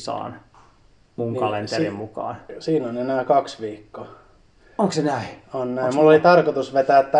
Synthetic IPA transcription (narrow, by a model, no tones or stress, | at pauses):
sɑ̰ːn | muŋkikɑlent̪erimmukɑ̰ːnsiːnonenæːkɑksʋiːkːo | oŋksenæionnæimulːolit̪ɑrkot̪usʋet̪æːt̪ːæ